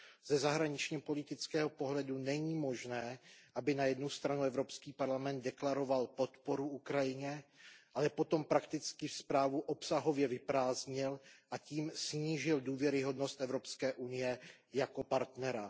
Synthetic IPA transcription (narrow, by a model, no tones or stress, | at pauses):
z̥ɛzaɦɾaɲɪt͡ʃɲɛpo̞lɪt̪ɪt͡skɛːɦopo̞ɦlɛdunɛɲiːmo̞ʒnɛːʔabɪnajɛdnust̪ɾanuɛvɾopskiːpaɾlamɛnt̪̚dɛklaɾo̞valpo̞t̪po̞ɾuʔukɾajɪɲɛʔalɛpo̞t̪o̞mpɾakt̪ɪt͡skɪfspɾaːvuʔo̞psaɦo̞vjɛvɪpɾaːzɲɪlʔaciːmsɲiːʒɪlduːvjɛɾɪɦo̞dnost̪ʔɛvɾo̞pskɛːʔunɪjɛ | jako̞paɾt̪nɛɾa